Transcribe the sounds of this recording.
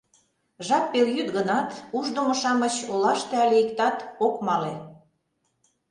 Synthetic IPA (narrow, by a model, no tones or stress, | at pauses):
ʒɑpːeljyt̪ɡənɑt̪uʒd̪omŏʃɑmət͡ɕolɑʃt̪ĕɑlʲeikt̪ɑt̪okmɑle